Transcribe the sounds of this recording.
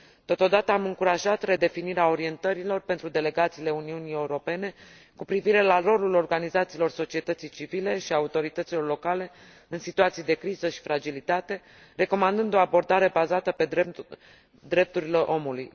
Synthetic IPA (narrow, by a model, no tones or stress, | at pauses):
t̪o̞t̪o̞d̪at̪əamɨŋkuɾaʒat̪re̞d̪e̞finiɾeao̞ɾie̞nt̪əɾilo̞rpent̪ɾud̪e̞le̞ɡat̪siːle̞uniunije̞uɾo̞pe̞ne̞ | kupɾiviɾe̞laro̞lulo̞rɡanizat̪siːlo̞rso̞t͡ʃie̞t̪ət̪sijt͡ʃivile̞ʃiaut̪o̞ɾit̪ət̪silo̞rlo̞kale̞ | ɨnsit̪uat̪sijd̪e̞kɾizəʃi̥fɾad͡ʒilit̪at̪e̞ | re̞ko̞mand̪ɨnd̪o̞abo̞rd̪aɾe̞bazat̪əpe̞e | d̪ɾe̞p̚t̪uɾile̞ʔo̞muluj